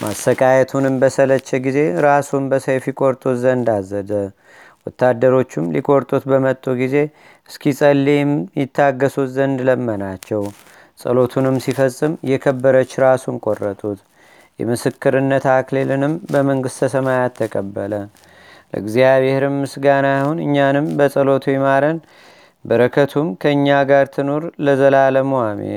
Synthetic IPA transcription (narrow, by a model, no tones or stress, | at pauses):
mʔast̪əkʼajɛt̪ʰunɨmbəsələt͡ʃːɛɡize̞ɾasunbəsəjfikʼo̞ɾt̪ʼuzənd̪azəd̪ə | wɔt̪ːad̪ːəɾo̞t͡ʃːɪmlḭkʼo̞ɾt̪ʼut̪bəmət̪ʼːuɡize̞ | ʔɨskʰisʼəlːimjɪt̪ʰːaɡːəsuzənd̪ləmːənat͡ʃːɛw | sʼə̰lo̞t̪ʰunɨmsifəsʼɨmjɛkʰəbːəɾət͡ʃːɾasunkʼorːət̪ʼut̪ | jɛ̰mɨsɨkːɨɾɨnːət̪aklelɨnɨmbəməŋɡɨst̪ʰəsəmajat̪ʰːəkʼəbːələ | lə̰ɨɡzijaβe̞hɾɨmːɨsɡanajhunɨ̰ɲːanɨmbəsʼəlo̞t̪ʰujɛmaɾən | bəɾəkʰət̪ʰumkʰəɨɲːaɡaɾt̪ʰɨno̞ɾləzəlaləmowamḛ